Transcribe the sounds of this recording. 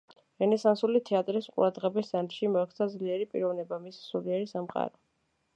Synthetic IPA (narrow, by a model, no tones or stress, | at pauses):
ɾɛnɛsansulit̪ʰɛat̪ʼɾisqʼṵɾad̪ʁɛbisːant̪ʼʃimɔɛk̪ʰsʰad̪zliɛɾipʼḭɾɔvnɛbamissuliɛɾisamqʼa̰ɾɔ